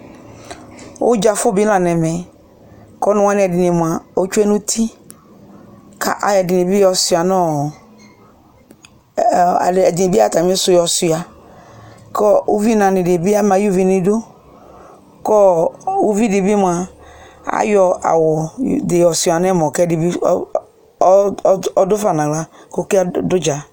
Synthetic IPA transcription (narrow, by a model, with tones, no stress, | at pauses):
wo̰˦d͡ʒa˨fɔ˦bi˦lã˨nɛ̃˨mɛ̃˨ | kɔ˦nɔ̃˦ã˦nĩ˨ɛ˨dɪ˨ne˨m˨a˨o˦t͡ʃu˦ɛ˦nũ˦t̪ʰi˦ | kʰa̰˦ʔa˦jɛ˨dɪ˨nẽ˨bi˦jɔ˨si˨a˨nɔ̃˦˨ | ɛ˨di˨ne˨bi˦a˦˨t̪a˨mĩ˦sʊ˦˨jɔ˨si˨a˨ | kɔ˦u˦vi˦nã˨nɪ̃˨de˨bi˦a˦mã˨ju˦vi˨nĩ˨do˦ | kɔ˦u˦vi˦de˨bi˦m˨a˨ | a̰˦jɔ˨a̰˨wɔ˨de˨jɔ˨sʊ˨a˨n˦ɛ˦mɔ˨kɛ˦di˨bi˦ | ɔ˨dʊ˦fa˨nã˨ɡa˦ko˦ki˦dʊ˦d͡ʒa˨